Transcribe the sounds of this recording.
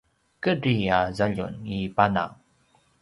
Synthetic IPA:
kəɾiazaʎṵnipana̰ŋ

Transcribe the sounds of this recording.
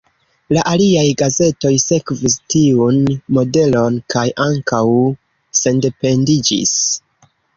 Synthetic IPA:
laʔaliajɡaze̞to̞jse̞kvistiunmo̞de̞lo̞nkʰajʔaŋkaw | se̞nde̞pe̞ndid͡ʒḭs

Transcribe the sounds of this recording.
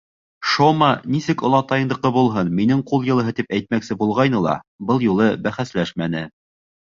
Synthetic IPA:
ʃomɑnisɘkŏlˠɑt̪ɑjɤ̆nd̪ɤ̆qɤbulˠɦɤnminɘɴqulˠjɤ̆lˠɤ̆ɦɤt̪ipæjt̪̚mæksɘbulˠʁɑjnɤlˠɑ̰bɤlˠjulˠɤbæχæslæʃmænɘ

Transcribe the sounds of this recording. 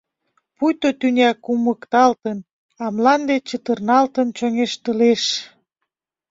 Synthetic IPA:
pujt̪ot̪ynʲɑkuməkt̪ɑlt̪ən | ɑmlɑnd̪et͡ɕət̪ərnɑlt̪ənt͡ɕoŋeʃt̪əleʃ

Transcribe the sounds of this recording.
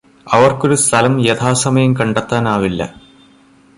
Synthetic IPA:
ɐʋɐrko̞ɾust̪ʰɐlɐmjet̪ʰaːsɐmɐjɐmkɐɳɖɐt̪ːaːnaːʋilːɐ̰

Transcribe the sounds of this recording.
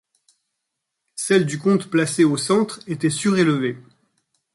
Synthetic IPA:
sɛld̪ykɔ̃t̪plaseosɑ̃t̪χet̪ɛsyʁelve

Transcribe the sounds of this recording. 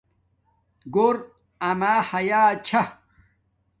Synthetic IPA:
ɡoɾ | ɐmaːhɐjaːt͡ɕʰa

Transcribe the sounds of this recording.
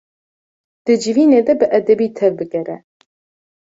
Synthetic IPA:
d̪̥ɨd͡ʒɨviːneːd̪ɛbɨʔɛd̪ɛbiːt̪ʰɛvbɨɡɛɾɛ̰

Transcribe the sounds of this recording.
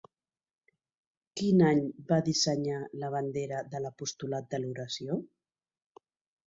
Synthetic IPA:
kinaɲbaðisəɲaləβ̞and̪eɾəðələpust̪ulat̪̚d̪əluɾəsjo

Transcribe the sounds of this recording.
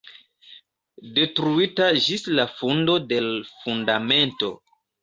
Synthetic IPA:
de̞tɾuitad͡ʒislafundo̞de̞lfundame̞nto̞̰

